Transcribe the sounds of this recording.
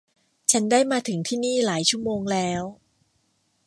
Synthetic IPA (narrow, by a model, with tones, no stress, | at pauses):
t͡ɕʰa˦˥ndaː˥˩jmaː˧t̪ʰɯ˨˩˦ŋt̪ʰiː˥˩niː˥˩laː˩˦jt͡ɕʰu˥˩əmoː˧ŋlɛː˦˥w